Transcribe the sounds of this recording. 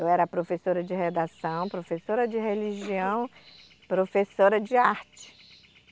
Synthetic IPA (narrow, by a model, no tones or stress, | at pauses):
ewɛɾɐpɾofesoɾɐd͡ʒɪɦed̪asɐ̃w̃pɾofesoɾɐd͡ʒɪɦeliʒiɐ̃w̃ | pɾofesoɾɐd͡ʒɪaɾt͡ʃɪ̥